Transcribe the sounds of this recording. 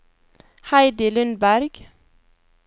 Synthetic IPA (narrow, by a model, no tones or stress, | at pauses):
hæɪd̪ɪlʉnbæɾɡ̥